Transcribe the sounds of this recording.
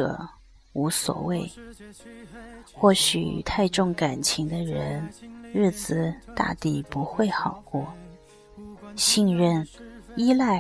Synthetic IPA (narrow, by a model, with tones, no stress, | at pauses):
ɤ̰˨˩ | u˧˥swɔ̰˨˩we˥˩ɪ | xwɔ˥˩ɕy̰˨˩t̪ʰa˥˧ɪʈ͡ʂʊ˥˩ŋka˨˩nt͡ɕʰi˧˥ŋd̪ə˧ɻə˧˥nɻɻ̩˥˩t͡sɹ̩˨˩t̪a̰˥˧t̪i˥˩pu˧˥xwe˥˩ɪxɑ˨˩ʊkwɔ˥˩ | ɕi˥˧nɻə˥˧ni˥la˥˩ɪ